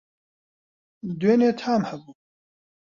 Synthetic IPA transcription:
d̪weːneːt̪ʰaːmhɛbuː

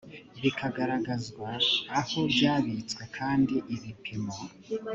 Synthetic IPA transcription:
βikʰaɡaɾaɡazɡwaːho̞bjaːβit͡skwe̞kʰaːndiʔiβipʰimo

